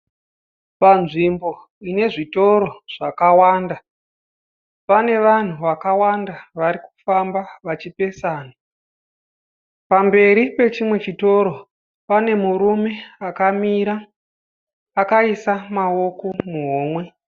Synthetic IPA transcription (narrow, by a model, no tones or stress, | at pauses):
panʐimbo̞ | ine̞ʐito̞ɾo̞ʐ̥akawaːnda | pane̞ʋan̤uʋakawandaʋaɾiku̥fambaʋat͡ʃipe̞saːna | pambe̞ɾipe̞t͡ʃimwe̞t͡ʃito̞ɾo̞ | pane̞muɾume̞akamiːɾa | kaisamao̞ko̞muɦoːmwe̞